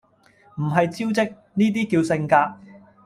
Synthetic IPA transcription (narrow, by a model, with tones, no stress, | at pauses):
m̩˨˩ɦɐ˨jt͡siː˥wt͡sɪ˥k̚ | niː˥t̪̬iː˥kiː˧wsɪ˧ŋkaː˧k̚